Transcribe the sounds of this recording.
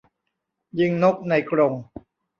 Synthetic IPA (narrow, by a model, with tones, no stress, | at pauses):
jɯ˧ŋno˦˥k̚na˧jkɾo˧ŋ